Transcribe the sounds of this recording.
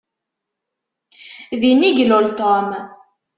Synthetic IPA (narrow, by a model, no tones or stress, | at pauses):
ðiniɡlolt̪ɔm